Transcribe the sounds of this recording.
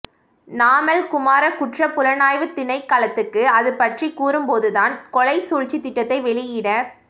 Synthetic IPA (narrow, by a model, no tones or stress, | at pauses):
naːmɐlkʊmaːɾɐkʊʈrɐpʊlɐnaːjʋɯt̪ːɪnɐɪkːaːlɐt̪ːɯkːɯɐðɯpɐʈrikuːɾɯmpoːðɯðaːnkɔlɐɪsuːɻt͡ʃit̪ːɪʈːɐt̪ːɐɪʋɛɭɪjɪɽɐ